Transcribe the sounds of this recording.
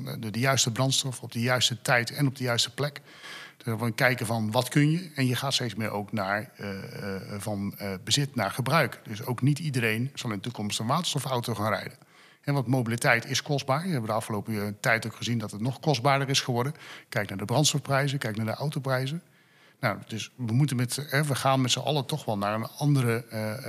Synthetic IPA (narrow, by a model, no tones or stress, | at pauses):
ddəjœɥstəbrɑntstɔfɔb̚dəjœɥstətɛjtɛnɔb̚dəjœɥstə̥plɛk | dvnkɛjkəvɑnʋɑtkɵnjəɛnjəχaːtstejtsmɪ̰ːɹʔo̰wknaːɹ | vɑnbəzɪtnaːɹχəbrœɥkd̥ɵsowknitidəɾejnz̥ɑlˠɪndətukɔmstənʋaːtəstɔfawtoχaːnrɛ̰jdə | hɛʋɑntmowbilitɛjtɪskɔzdbaːɹjəɦɛbədəɑfχəlowpətɛjtowkχəzindɑtətnɔχkɔzd̚baːdəɹɪsχəʋɔɹdənkɛjknaːɹdəbrɑntstɔfprɛjzəkɛjknaːɹdəʔawtowprɛjzən | nawdɵsʋəmutənmɛtɦɛʋəχaːnmɛtsəʔɑ̰lˠətɔχʋɛlˠnaːɹənɑndərə